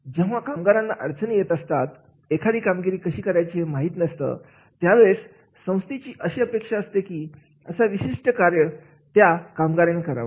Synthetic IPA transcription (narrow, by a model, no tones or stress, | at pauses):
d͡ʑeʋ̤akamɡaɾãnːaʔəɾd͡zənəjet̪əst̪at̪ | ekʰaɽiːkamɡiɾiːkəɕiːkəɾjat͡ɕemaɦit̪nəst̪ə̰ | t̪jaʋes | sə̃w̃st̪it͡ɕiːʔəɕeəpekʂaəst̪ekiː | əsaʋiɕiʂʈəkaɾjə | t̪jakamɡaɾenekəɾa̰ʋə̰